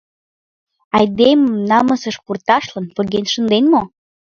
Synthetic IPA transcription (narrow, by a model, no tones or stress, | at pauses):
ɑjd̪eməmnɑmə̆sə̆ʃkurt̪ɑʃlənpŏɣenʃə̆nd̪enmo